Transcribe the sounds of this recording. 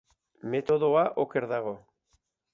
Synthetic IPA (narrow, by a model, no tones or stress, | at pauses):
met̪o̞ðoaʔokeɾðaɣ̞o̞